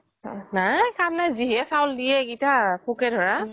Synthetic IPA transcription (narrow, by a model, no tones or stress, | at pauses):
najkamnajziɦɛsawldijɛɡitapʰukɛdʱɔɹa